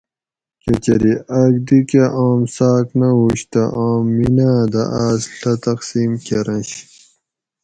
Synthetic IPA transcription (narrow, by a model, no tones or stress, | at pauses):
ket͡ɕɐɾiɐɡ̚d̪ikeʔaːmsaːknɐɦuɕt̪ɐʔaːmːinaːd̪ɐ̰ʔaːsɬɐt̪ɐqsiːmkeɾɐ̃nɕ